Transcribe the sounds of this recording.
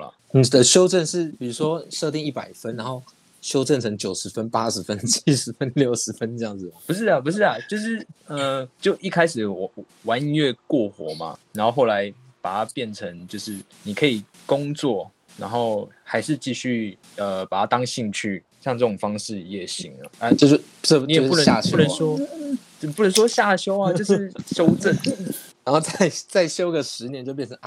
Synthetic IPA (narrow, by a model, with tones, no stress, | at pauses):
ə̰˨˩ | n̩˨˩d̪ə˦ɕjo˥ʊʈ͡ʂə˥˨nʂɻ̩˥˨pi˨˩u˧˥ʂwɔ˦ʂɤ˥˧t̪i˥˧ŋi˥˩pa˨˩ɪfə˦nɻa˧˦nxo˥˩ʊ | ɕjo˥ʊʈ͡ʂə˥˨˩nt͡sʰɤ˧˥ŋt͡ɕjo˨˩ʊʂɻ̩˨˧˥fə˦npa˦˥ʂɻ̩˧˥˦fə˦˥nt͡ɕʰi̥˥ʂɻ̩˧˥fə˦nljo˥˩ʊʂɻ̩˧˥fə˦nʈ͡ʂɤ˥˧jɑ˥˩ŋd͡z̩˨˩mɐ˩pu˧˥ʂ̬ɻ̩˥˩ɐ˨˩p̬u˧˥ʂ̬ɻ̩˥˩ɐ˩t͡ɕjo˥˧ʊʂɻ̩˥˩ə˧˩t͡ɕjo˥˨ʊʔi˥˩kʰa˥ɪʂɻ̩˨˩˧ | wa˧˦nɥɛ˥˧kwɔ˥˨xwɔ̰˨˥˦ma̰˨na˨˦nxo˥˧ʊxo˥˩la˨˦ɪ | pa˨˩t̪ʰa˦˥pjɛ˥˨˩nʈ͡ʂʰə˧˦ŋt͡ɕjo˥˧ʊʂɻ̩˥˩ | ni˨˩kʰɤ˧˥i˨˩ | kʊ˦˥ŋt͡swɔ˥˩ | na̰˧˥nxo˥˩ʊxa˧˥ɪʂɻ̩˥˧t͡ɕi˥˧ɕy˥˩ | ə˨pa˨˩tʰa˥t̪ɑ˥ŋɕi˥˧ŋt͡ɕʰy˥˩ | jɑ˥˧ŋtʈ͡ʂɤ˥˩o˨˩ŋfɑ˥ŋʂɻ̩˥˨jɛ˨˩ɕḭ˧˥ŋə̰˨ə˧˦t͡ɕo˥˧o˥˧˥ | ni˨o˨˥˧u˥˩nə˧˦a˥˧ɕu˥˨nə˨˦nswɔ˥ | ə˨pu˥˩˨ə˨˦nʂwɔ˥ɕja˥˩ɕjo˥ʊa˨t͡ɕo˥˧ʊ˧˥˩ɕjo˥ʊt͡sə˥˩n | na˦nxo˥˧t͡sa˥˩ɪt͡sa˥˩ɪɕjo˥ʊɡə˨ʂɻ̩˧˦njɛ˦t͡ɕo˥˧ʊpjɛ˥˨nʰ˩ə˧˦ŋ˧